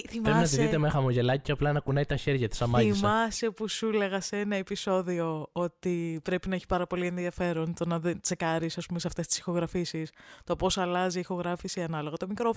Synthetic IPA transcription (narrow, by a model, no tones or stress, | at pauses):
θiɾepinɐt̪iðit̪emexɐmoʝe̞lɐciceɐplɐnɐkunɐit̪ɐçe̞ɾʝɐt̪i̥sɐmɐiismɐsepusule̞ɣɐseenɐe̞piso̞ðio̞o̞t̪ipɾe̞pinɐe̞çi̥pɐɾɐpo̞lie̞nðiɐfe̞ɾo̞nt̪o̞nɐðent͡se̞kɐɾisɐspume̞seɐft̪e̞st̪i̥si̥xo̞ɣɾɐfisist̪o̞po̞sɐlɐziixo̞ɣɾɐfisiɐnɐlo̞ɣɐt̪omikɾo̞